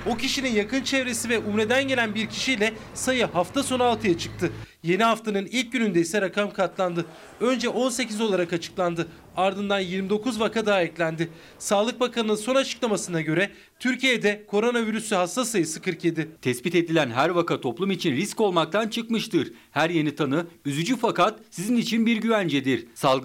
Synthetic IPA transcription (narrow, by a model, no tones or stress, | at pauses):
o̞cʰiʃininjakɯnt͡ʃʰevɾe̞sivɛʔumɾe̞d̪ænɟe̞lʲænbiɾcʰi̥ʃijlʲɛsajɯɦaft̪ʰaso̞nalˠt̪ʰɯjat͡ʃʰɯ̥k̚t̪ʰɯ | je̞niɦaft̪ʰanɯnilʲc̚ɟynynd̪ɛisɛɾakʰamkʰat̪lˠand̪ɯ | ø̞nd͡ʒɛʔo̞nse̞cizo̞lˠaɾakat͡ʃʰɯ̥klˠand̪ɯ | aɾd̪ɯnd̪anjiɾmid̪o̞kʰuzvakʰad̪aːɛclʲænd̪ɪ | saːlˠɯk̚bakʰanɯnɯnso̞nat͡ʃʰɯ̥klˠamasɯnaɟø̞ɾɛ | t̪ʰyɾcʰijed̪ɛkʰo̞ɾo̞naviɾysyhast̪asajɯsɯkʰɯɾkje̞d̪ɪt̪ʰɛsbit̪e̞d̪ilʲænɦæɾvakat̪ʰo̞plˠumit͡ʃʰinɾisco̞lˠmakt̪ʰant͡ʃʰɯkmɯʃt̪ɯɾ | hæɾje̞nit̪ʰanɯyzyd͡ʒyfakat̪sizinit͡ʃʰinbiɾɟyvænd͡ʒɛd̪iɾsalˠɡ